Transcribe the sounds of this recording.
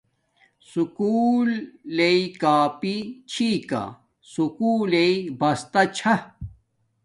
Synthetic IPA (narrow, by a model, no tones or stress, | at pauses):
sukuːlːeikaːpit͡ɕʰiːka̰ | sukuːleibɐst̪ɐt͡ɕʰɐ